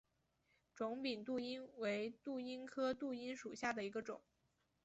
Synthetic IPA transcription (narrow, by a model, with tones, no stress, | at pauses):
ʈ͡ʂʊ˧˥ŋpi˨˩nt̪u˥˩i˥nwe˧˥ɪt̪u˥˩i˥nkʰɤ˥t̪u˥˩i˥nʂu˨˩ɕja˥˩d̪ə˩i˧˥ɡə˧ʈ͡ʂʊ˨˩˦ŋ